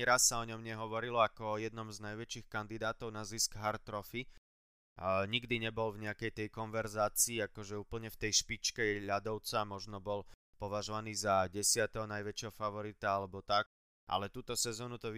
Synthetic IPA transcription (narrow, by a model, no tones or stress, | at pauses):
ɾasːaɔɲɔmɲɛɦɔʋɔɾilɔakɔɔjɛd̪nɔmznajʋɛt͡ʃixkand̪id̪aːt̪ɔʊnaziskɦaɾt̪ɾɔfi | ɲiɡd̪iɲɛbɔlvɲɛakɛjt̪ɛjkɔnʋɛɾzaːt͡siːakɔʒɛuːpl̩ɲɛft̪ɛjʃpit͡ʃkɛʎad̪ɔʊt͡samɔʒnɔbɔl | pɔʋaʒɔʋaniːzaɟɛsɪat̪ɛɦɔnajʋɛt͡ʃɛɦɔfaʋɔɾit̪aalɛbɔt̪ak̚ | ʔa̰lɛt̪uːt̪ɔsɛzɔːnut̪ɔ